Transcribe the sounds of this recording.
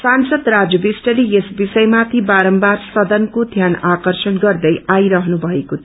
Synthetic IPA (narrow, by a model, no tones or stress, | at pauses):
sansʌd̪rad͡zjʌbisʈʌlijesbisʌjmat̪ʰibaɾʌmbarsʌd̪ʌnkod̪ʱjanakʌrsʌnɡʌrd̪ʌjʔajɾʌɦnubʱʌeko